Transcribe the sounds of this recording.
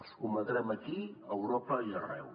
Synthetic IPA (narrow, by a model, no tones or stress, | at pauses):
skuməðɾɛməkiəwɾɔpəiərɛw